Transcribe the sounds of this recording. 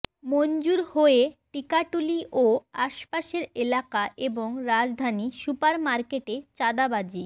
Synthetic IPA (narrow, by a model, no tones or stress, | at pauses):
mond͡ʑuɾhoeʈikaʈuliʔoaʃpaʃeɾelakaʔeboŋɾad͡ʑd̪ʱanisupaɾmaɾkeʈet͡ɕad̪abad͡ʑi